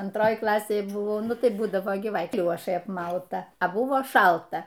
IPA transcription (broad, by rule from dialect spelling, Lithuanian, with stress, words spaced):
ɐnˈtroːj ˈklˠɑːsʲeːj ˈbʊʋoː ˈnʊ tɐɪ ˈbuːdɐʋoː ɡʲɪ ˈʋɐ ˈklʲoːʃɐɪ ɐpˈmɐʊtɐ ɐ ˈbʊʋoː ˈʃɐlˠtɐ